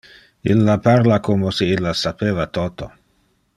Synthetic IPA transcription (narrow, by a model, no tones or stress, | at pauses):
ḭlːapaɾlakoːmoseilːasapeːvat̪oːt̪o̰